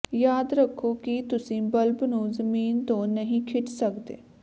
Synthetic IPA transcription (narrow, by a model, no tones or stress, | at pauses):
jaːd̪ɾəkʰːoːkit̪ʊsĩːbəlbnũːzəmiːnt̪õːnəɦĩːkʰɪʈsəkd̪ḛː